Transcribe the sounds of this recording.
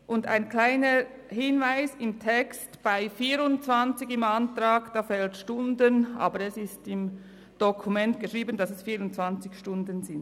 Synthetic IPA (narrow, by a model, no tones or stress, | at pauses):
ʔʊnda̰ɪnkʰlaɪnə | hɪnvaɪsɪmtʰɛkstb̥aɪfiːɾʊnt͡svɑnt͡sɪçɪmɑntrɑːɡ̥d̥ɑːfɛltʃtʊndənʔɑ̰ːbəɾɛsɪstɪm | d̥ɔkʰumɛntɡ̥əʃʁiːbəndɑsɛsfiːɾʊnt͡svɑnt͡sɪçʃtʊndənzɪn